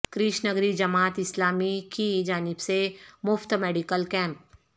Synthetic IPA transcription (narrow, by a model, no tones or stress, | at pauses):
kɾɪʃnəɡɾid͡ʒɐmaːt̪ɪslaːmikid͡ʒaːnɪbsemʊft̪meːɖikəlkɛ̃ːmp̚